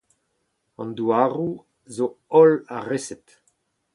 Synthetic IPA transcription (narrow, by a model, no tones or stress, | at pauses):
ɑ̰̃nd̪uaːʁu | zoɔlaʁesɛt